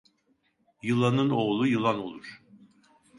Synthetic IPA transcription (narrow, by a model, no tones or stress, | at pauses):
jɯlˠanɯno̞ːlˠujɯlˠano̞̰lˠuɾ̥